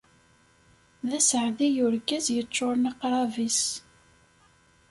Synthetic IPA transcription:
ðæsəʕðijʊɾkːæzjət͡ʃːʊɾˤnɑqɾˤɑvis

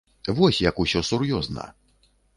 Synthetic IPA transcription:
vɔsʲjɐkusʲɔsurjɔznɐ̰

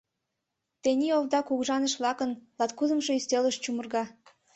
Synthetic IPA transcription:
t̪enʲioβd̪ɑkuɣʒɑnəʃβlɑkənlɑt̪kuzə̆mʃoyst̪eləʃt͡ɕumərɣɑ

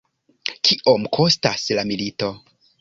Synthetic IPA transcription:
kʰiʔo̞mkʰo̞staslamilito̞

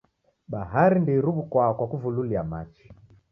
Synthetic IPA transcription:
ɓaɦaɾindiɾuβukwakwakuvululiamat͡ʃi̥

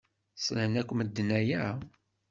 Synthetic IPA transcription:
sˤnənækʷːməd̪ːənæjæ

